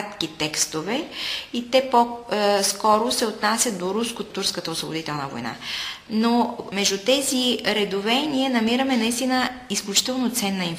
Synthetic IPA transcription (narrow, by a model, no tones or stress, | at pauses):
t̪kit̪ɛkst̪ovɛit̪ɛposkɔɾosɛot̪nasʲjɐt̪̚d̪oɾuskot̪ːuɾskət̪əosvobo̰d̪it̪ɛlˠnə̰vo̰jna̰nomɛʒd̪ut̪ɛziɾɛd̪ovɛniənɐmiɾəmɛnɐist̪inəisklʲut͡ʃi̥t̪ɛlˠnot̪sɛnːəinf